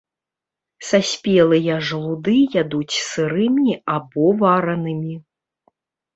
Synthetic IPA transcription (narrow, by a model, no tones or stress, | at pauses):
sasʲpʲɛlˠɨjɐʐlˠud̪ɨjad̪ut͡sʲsɨɾɨmʲiabɔvaɾɐnɨmʲi